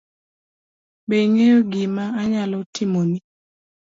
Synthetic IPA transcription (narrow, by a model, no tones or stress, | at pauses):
beŋejoɡɪmaːɲalɔtɪmoni